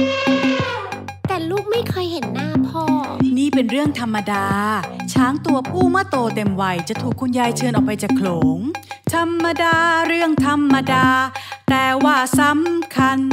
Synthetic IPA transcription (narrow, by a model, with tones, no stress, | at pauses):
t̪ɛː˨˩luː˥˩k̚ma˥˩jkʰɔ˧˩jhe˩˦nːaː˥˩pʰɔː˥˩niː˥˩pe˧nɾɯ˥˩əŋt̪ʰa˧mːa˧daː˧t͡ɕʰaː˦˥ŋt̪u˧ɐpʰuː˥˩maː˥˩t̪oː˧t̪e˧mwa˧jt͡ɕa˨˩t̪ʰuː˨˩kʰːu˧njaː˧jt͡ɕʰɤː˧nʔɔː˨˩k̚pa˧jt͡ɕaː˨˩kʰloː˩˦ŋt̪ʰa˧mːa˧daː˧ɾɯ˥˩əŋt̪ʰa˧mːa˧daː˧t̪ɛː˨˩waː˥˩sa˨˦mkʰa˧n